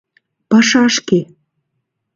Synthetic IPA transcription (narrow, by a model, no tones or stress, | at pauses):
pɑʃɑʃke